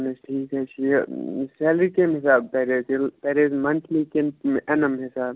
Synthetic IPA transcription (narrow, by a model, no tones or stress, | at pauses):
nɐsʈʰiːkɦɛt͡ʃʰiselɾikeːmɦɪsaːb̚pɛɾeːzlpɛɾeːzmɐnt̪ʰlikemɐnɐmɦɪsaːb